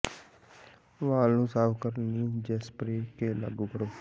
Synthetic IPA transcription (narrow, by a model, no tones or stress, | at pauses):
ʋaːlnũːsaːʋkəɾniːd͡ʒespɾeːkeːla̰ɡũːkəɾoː